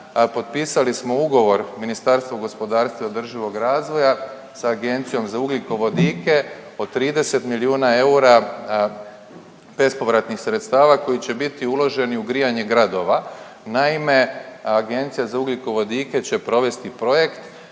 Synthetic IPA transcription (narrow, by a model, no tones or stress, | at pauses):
po̞d̪̚piːsalismo̞uɡo̞ʋo̞ɾminist̪aɾst̪vʋoɡo̞spo̞d̪aːɾst̪ʋaod̪r̩ʒiʋo̞ɡɾaːzʋo̞ja | saːɡe̞nt̪sijo̞mzauɡlikoʋo̞d̪iːke̞od̪t̪ːɾiːd̪e̞se̞t̪miliuːnae̞uɾa | be̞spo̞ʋɾat̪nixsɾet̪st̪aːʋako̞jit͡ɕe̞bit̪iulˠo̞ʒe̞niuɡɾijaɲe̞ɡɾad̪o̞ʋa | naime̞aɡe̞nt̪sijazauɡlikoʋo̞d̪iːke̞t͡ɕe̞pɾo̞ʋe̞st̪ipɾo̞je̞kt̪